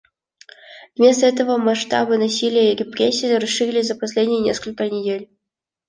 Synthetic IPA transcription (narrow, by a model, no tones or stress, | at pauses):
vʲmʲest̪əɛt̪əvəmɐʂt̪ɑ̰bɨnɐsʲilʲɪjəirʲɪpɾʲesʲːijɾɐsʂɨɾʲlʲɪsʲzɐpɐsʲlʲedʲnʲijənʲeskəlʲkənʲɪdʲelʲ